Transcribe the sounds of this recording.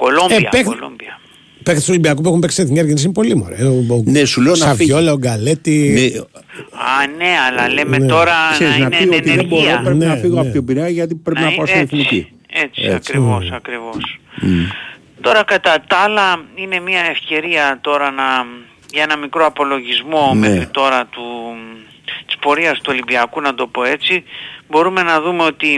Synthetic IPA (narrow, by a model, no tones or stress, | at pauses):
kolomeiɐ̰peklo̰mbɐ | pekθisolimbiɐkup̬uexumpeksi̥t̪eθiɲɐɾʝenisinepo̞limo̰ɾenesuleonɐvolɐoɡalet̪i | ane̞ɐlɐlemet̪o̞ɾɐseɾiznɐteioniðebo̞ɾopɾepninɐfiɣoɐptobiɾeɐʝɐt̪ipɾepinɐpɐst̪oiθinici | e̞t͡sieɐkɾivo̞sɐkɾivo̞s | t̪o̞ɾɐkɐt̪ɐt̪ɐlɐine̞miɐe̞fce̞ɾiɐt̪o̞ɾɐnɐ | ʝɐe̞nɐmikɾo̞ɐpo̞lo̞ʝizmo̞mexɾit̪o̞ɾɐt̪u | t̪i̥spo̞ɾiɐst̪uo̞libiɐkunɐd̪o̞po̞e̞t͡sibo̞ɾume̞nɐðume̞o̞t̪i